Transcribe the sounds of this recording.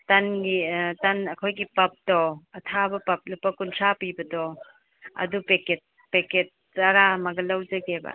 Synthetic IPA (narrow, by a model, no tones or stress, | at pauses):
tɐnɡitɐnɐkʰojɡipɐp̚dɔɐtʰabɐpɐp̚lupːɐkuntʰapibɐdɔ | ɐ̰dupeket̚ | peket̚ː | ɐɾamɐɡɐlɐwd͡ʒɐɡebɐ̰